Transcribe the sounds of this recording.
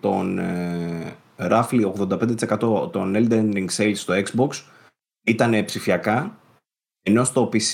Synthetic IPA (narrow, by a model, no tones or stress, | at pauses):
t̪o̞n | ɾɐflio̞ɣðo̞nd̪ɐped̪et̪ise̞kɐt̪o̞t̪o̞neld̪enɾiŋɡsejlsst̪o̞ekzboks | it̪ɐne̞psifiɐkɐ | e̞no̞st̪o̞pis